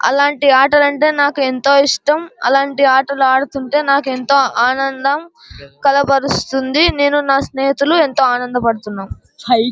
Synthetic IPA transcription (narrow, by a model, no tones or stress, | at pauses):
ɐ̰laːɳʈiaːʈɐlɐɳʈe̞ːnaːkue̞nt̪o̞ːiʂʈɐmɐ̰laːɳʈiaːʈɐluaːɽut̪uɳʈe̞ːnaːkue̞nt̪o̞ːʔaːnɐnd̪ɐm | kɐlɐpɐɾust̪und̪ine̞ːnunaːsneːɦit̪ulue̞nt̪o̞ːaːnɐnd̪ɐpɐɽut̪unːaːm